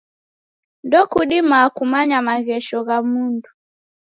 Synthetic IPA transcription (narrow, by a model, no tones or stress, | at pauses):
ndɔkuɗimaːkumaɲamaɣɛʃɔɣamundu